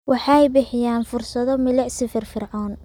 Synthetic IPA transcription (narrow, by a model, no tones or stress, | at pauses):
wɑħɑjbɪħɪjaːnfʊrsɐðɔmɪlɛʕsɪfɪrfɪrʕɔːn